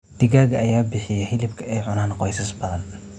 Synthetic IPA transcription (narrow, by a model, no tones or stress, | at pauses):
d̪̥ɪɣaːɣɐʔɐjaːbɪħɪjɐhɪlɪb̚kʰɐɛjʕʊnaːnqɔjsɐsbɐðɐn